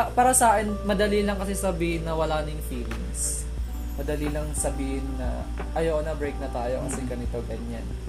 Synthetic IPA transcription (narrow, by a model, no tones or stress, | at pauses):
ɐpaːɾɐsaːʔɛnmɐd̪ɐlilɐŋkɐsɪsɐbiːhɪnːɐwɐlaːnɪɪŋfiːlɪŋs | mɐd̪ɐlilɐŋsɐbiːhɪnːɐ̰ | ʔɐjonɐbɹejk̚nɐt̪aːjo̞kɐsɛɡɐnɪt̪oɡɐɲan